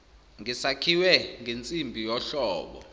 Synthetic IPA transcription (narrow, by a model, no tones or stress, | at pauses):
ŋisakʰiwɛŋʱent͡sʼimbʱijɔɬɔːɓɔ̰